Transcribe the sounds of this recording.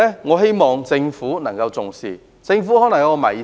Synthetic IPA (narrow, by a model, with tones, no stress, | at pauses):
ɛː˥ŋɔː˨˧ɦe˥jmɔː˨ŋt͡sɪ˧ŋfuː˨˥nɐ˨˩ŋkɐ˧wt͡sʊ˨ŋsḭː˨ | t͡sɪ˧ŋfuː˨˥hɔː˨˥nɐ˨˩ŋja˨˥ɔ˧mɐ̰˨˩j